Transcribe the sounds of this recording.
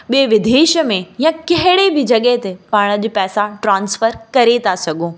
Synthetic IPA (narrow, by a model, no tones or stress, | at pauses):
ɓieʋɪd̪ʱeːʃəmẽjãkɐɦɪɽebʱɪd͡ʑɐɠɛɦt̪epaːɽ̃əd͡ʑipɛːsaʈɾãːnsfəɾkɐɾet̪ʰasɐɡʱõː